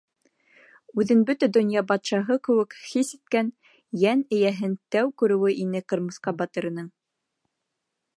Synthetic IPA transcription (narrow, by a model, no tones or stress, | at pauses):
ʉðɘnbɵt̪æd̪ŏnjɑbɑt̪ʃɑɦɤkɘ̆wɘ̆khisit̪̚kæn | jænɘ̆jæɦɘnt̪æwkʉɾɘ̆wɘʔinɘqɤ̆ɾmɤ̆sqɑbɑt̪ɤ̆ɾɤ̆nɤɴ